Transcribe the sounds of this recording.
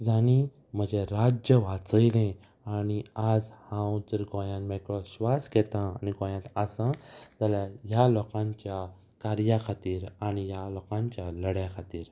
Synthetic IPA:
d͡zaɽ̃i | m̤əd͡ʑeɾad͡ʑjəʋat͡səjlẽ | aɽ̃iad͡zhãwt̪əɾɡɔ̃jãnmakɽɔɕʋaskɛt̪ãaniɡɔ̃jãt̪asãt̪alajalɔkãɲt͡ɕja | kaɾjakʰat̪iːɾañijalɔkãɲt͡ɕjaləɽjakʰat̪iːɾ

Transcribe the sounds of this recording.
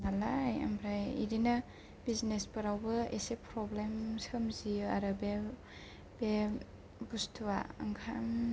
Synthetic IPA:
nalaja̰mɾajḭɾina | biznespɯɾawbɯesepʰɾɔblemsɯmziaɾɯbe | be | bustʰuwa̰ɐŋkʰam

